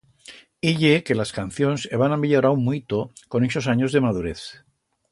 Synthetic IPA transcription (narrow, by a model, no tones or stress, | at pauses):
iʎeke̞laskan̟θjo̞nseβanamiʎoɾaummuit̪oko̞neso̞s̬aɲo̞zðe̞mað̞uɾe̞θ